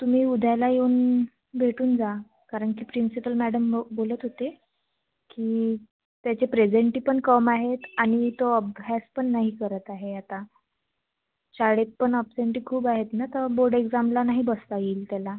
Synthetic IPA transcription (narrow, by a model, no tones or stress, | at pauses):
t̪um̤iːud̪ʱalajewn | bʱeʈuːnd͡za | kaɾəɳkiːpɾinsipəlmæɽəmbolət̪ɦot̪e | kiː | t̪jat͡ɕepɾed͡ʑeɳʈiːpəɳkəmaɦet̪aɽ̃it̪oəb̚ʱɦaspəɳːaɦiːkəɾət̪aɦeat̪a | ɕaɽet̪̚pəɳɔpseɳʈiːkʰuːbaɦet̪nat̪əɾboɾɖeɡd͡zamlanaɦibəst̪aiːlt̪jala